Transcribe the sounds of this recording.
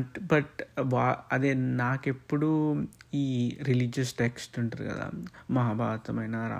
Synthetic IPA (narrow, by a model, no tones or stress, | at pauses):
ʈbɐʈʋaːɐd̪eːnaːkepːuɽuiːɾilid͡ʒɐsʈeksʈuɳʈɐɾɡɐ̰d̪a̰mɐɦaːbʱaːʋt̪ɐmɐjnɐɾa̰